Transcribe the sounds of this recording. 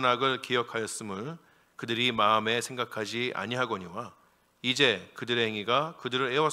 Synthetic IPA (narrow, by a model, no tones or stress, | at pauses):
naɡɯɭkejʌkʰajʌs͈ɯmɯn | kɯdɯɾimaɯme̞sʰe̞ŋɡakʰad͡ʑiʔa̰ɲiɦaɡʌɲiwa | id͡ʑe̞kɯdɯɾe̞ɦeŋiɡakɯdɯɾɯɾe̞wʌ